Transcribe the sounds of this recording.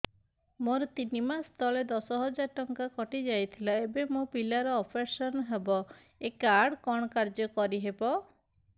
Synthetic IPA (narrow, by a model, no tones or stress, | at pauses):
moɾɔt̪inimast̪ʰɔled̪ɔsɔɦɔd͡ʒaɾʈɔŋkakɔʈid͡ʒajt̪ʰilaebemopilaɾɔːpʰeɾsɔnɦebɔ | ekaɾɽkɔɽ̃ɔkaɾd͡ʒɔkɔɾiɦebɔ